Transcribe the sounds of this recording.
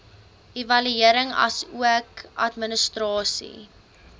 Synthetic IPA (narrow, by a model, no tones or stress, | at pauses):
ʔevɐlyiəɾəŋɐ̰suəkʔɐtmənəstrɑːsḭ